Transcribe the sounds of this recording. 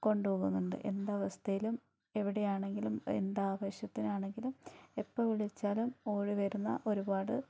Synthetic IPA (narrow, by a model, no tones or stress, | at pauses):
ko̞ɳɖupoːɣunːuɳɖɨ̰ʔe̞̰nd̪aʋɐst̪ʰɐjilum | e̞ʋiɽe̞jaːɳe̞ŋɡilumend̪aːʋɐɕjɐt̪ːinaːɳe̞ŋɡilumepːɐːʋiɭit͡ɕːaːlumo̞ːɻiʋɐɾunːɐ̰ʔo̞ɾubaːɽɨ